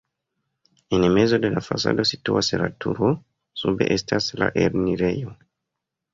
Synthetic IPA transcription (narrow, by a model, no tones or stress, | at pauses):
enmezo̞de̞lafasa̰do̞situaselatʰuɾo | sube̞̰ʔestʰasla̰ʔeɾniɾe̞jo